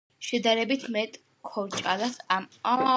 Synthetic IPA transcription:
ʃɛd̪aɾɛbit̪ʰmɛt̪ʼ | kʰɔɾt͡ʃʼalasama

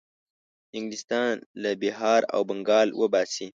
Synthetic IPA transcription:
ɪŋɡlɪst̪ɑnlabɪɦɑɾa̰wbaŋɡɑːlwʔəbɑsi

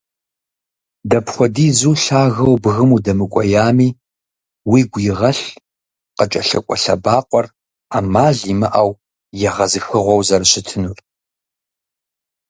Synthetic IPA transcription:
dɐpχʷɔdiːzuːɬaːɣɐwbɨɣɨmudɐmɨkʷʼɔjaːmiː | wiːɡʷjɪʁɐɬ | qət͡ʃʼɐɬɐkʷʼɔɬɐbaːqʷʼɔr | aːmaːɮimɐʔaw | jɛʁɐzɨxɨʁʷɔwzɐrɕɪtʰɨnuːr

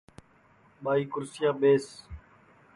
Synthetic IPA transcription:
ɓaːiːkʊɾsɪjaːɓeːs

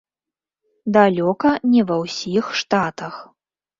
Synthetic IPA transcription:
d̪alʲɔkɐnʲɛvɐwsʲixʂt̪at̪ɐx

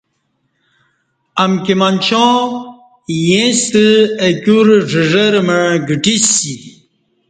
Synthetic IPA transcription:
ɐmkimant͡ɕɔ̃ | jẽst̪əekʲuɾʐəʐəɾməɡəʈisi

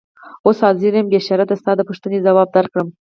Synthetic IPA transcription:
oshɑzɪɾembeʃɑɾad̪ast̪ɑd̪əpuʂt̪ənezawɑb̚d̪aɾkɽəm

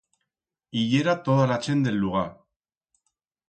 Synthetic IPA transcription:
iʎeɾat̪oðalat͡ʃe̞nd̪e̞luɣa

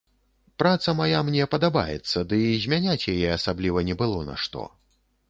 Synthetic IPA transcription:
pɾat̪sɐmajamnʲɛpɐd̪aba̰jɛ̰t̪sːɐd̪ɨzʲmʲanʲat͡sʲjajɛasablʲivɐnʲɛbɨlˠɔna̰ʂt̪ɔ̰

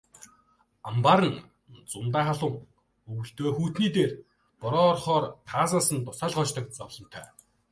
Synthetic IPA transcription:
ampaɾə̆n | t͡sʊnt̪aːχaɮʊːŋ | ɵwɵ̆ɬt̪oːxuːt̪niːt̪eːr | pʊɾɔːrχɔːrt̪ʰaːsaːsə̆nt̪ʊsaːɮχɔːt͡ɕt̪ə̆k̚t͡sɔwɮɞ̆n̥t̪ʰœ̰ː

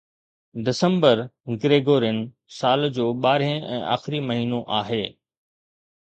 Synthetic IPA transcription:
ɖɪsə̃mbəɾɡɾeːɡoːɾɪn | saːld͡ʑoːɓaːɾə̃ɛ̰̃ːʔa̰ːxɪɾimɐɦiːnoʔaːɦeː

